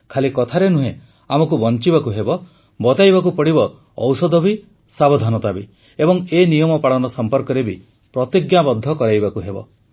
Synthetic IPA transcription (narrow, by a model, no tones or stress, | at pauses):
kʰalikɔt̪ʰaɾenuɦẽ | amɔkubɔnt͡ʃibakuɦebɔ | bɔt̪ajbakupɔɽibɔː | wsɔd̪ɔbi | sabɔd̪ʱanɔt̪abi | ebɔŋenijɔmɔpaɭɔnɔsɔmpɔɾkɔɾebi | pɾɔt̪iɡjabɔd̪ʱːɔkɔɾajbakuɦebɔ̰